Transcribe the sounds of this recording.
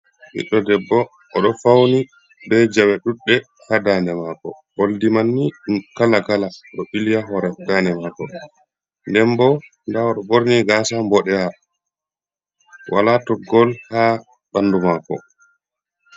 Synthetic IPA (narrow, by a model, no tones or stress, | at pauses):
ɓḭɗːɔdɛbːɔː | ɗɔfawni | bɛd͡ʒawɛɗuɗːɛ | hadandɛmakɔ̰ | ɓoldimanːikalaɡalaɗɔɓilijaɦɔɾɛdanɛmakɔ | ndɛmbɔ | ndaɔɗɔɓoɾniɡaːsambɔɗɛha | wʔa̰latɔɡɔlha | ɓandumakɔ̰